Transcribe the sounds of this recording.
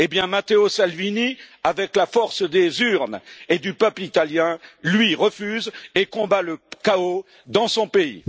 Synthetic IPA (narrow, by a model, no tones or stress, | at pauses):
ebjɛ̃mat̪eosalviniavɛklafɔʁsd̪ezyʁned̪ypœplit̪aljɛ̃lɥiʁəfyzekɔ̃baləkao | d̪ɑ̃sɔ̃peḭ